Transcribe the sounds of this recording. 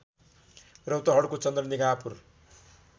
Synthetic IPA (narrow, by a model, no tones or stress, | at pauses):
rʌwt̪ʌɦʌɽkot͡sʌnd̪rʌniɡapur